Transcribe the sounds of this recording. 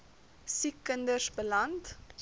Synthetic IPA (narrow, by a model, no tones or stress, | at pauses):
sikːəndərsbəlɐnt